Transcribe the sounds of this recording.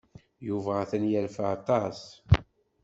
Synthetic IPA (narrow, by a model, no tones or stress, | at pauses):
juvæθænjælfaɑt̪ˤɑs